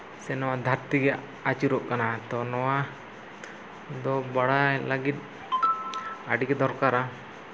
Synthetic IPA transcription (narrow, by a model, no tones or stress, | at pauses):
sɛnɔwad̪ʱaɾt̪iɡɛ | at͡ʃuɾɔʔkanat̪ɔnɔwa | d̪ɔbaɽalaɡit̪̚ | aɖiɡɛd̪ɔɾkaɾa